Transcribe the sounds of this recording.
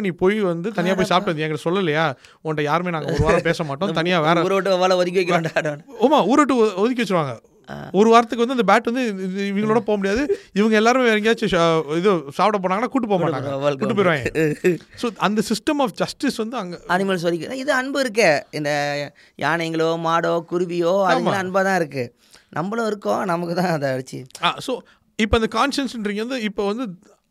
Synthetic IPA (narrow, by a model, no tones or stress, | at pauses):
nipoːjʋɐnd̪ɯt̪ɐnɪjaːpoːjsaːp̚ʈʋɐnd̪ɛ̃ːŋɡɪʈːɐsɔlːɐlːɐjaː | ɔnʈːɐjaːɾɯmeːnaːŋɡɐɔɾɯʋaːɾɐ̃peːsɐmmaːʈːõt̪ɐnɪjaːʋeːɾɐ̃ːɾɐʋʈːɯɐʋaːlɐɔðɪk̬ːɪʋɛkːɾɐ̃ɳɖɽɐ̃oːmaːuːɾɐʈːɯɔðɪk̬ːʋɛt͡ʃːɯɾɯʋaːŋɡɐ̰ | ɔɾɯʋaːɾɐt̪ːɯkːʋɐnd̪ɯɐnd̪ɐbaːʈːʋɐnd̪ɯɪʋɐŋɡɐɭoːɽɐpoːɐmʊɽɪjaːðɯɪʋɐŋɡɐɛlːaːɾɯmeːʋɐɾɐŋɡaːt͡ʃːɯɪðɯsaːpɐʈɐp̬oːɽaːŋɡɐnːaːkuːʈ̬ːɯp̬ːoːjmmaːʈaːŋɡɐʋuːʈːɯpoːɪɾʋãːŋɡesoːɐnd̪ɐsɪsʈɐmaːfd͡ʒɐsʈɪsʋɐnd̪ɯɐŋɡɐɐnɪmɐls̬ɐɾɪkːɯaɪðɯɐɳbɯɪɾɯk̬ːɛɪnd̪ɐ | ja̰ːɳɐŋɡɐɭoːmaːɽoːkʊɾʊʋɪjoːɐðaːɐmalːɐɐnbaːt̪ãːɪɾɯkːɯ | nʔɐ̰mbɐlõɪɾɯkːõnɐmɐkːɯt̪ãːɐðɐɐɽɯt͡ʃːɯ̰aːsoː | ɪpːoːnd̪ɐkaːnʂɐnsɪnɾiːŋɡɐʋɐnd̪ɯɪpːoːʋɐnd̪ɯ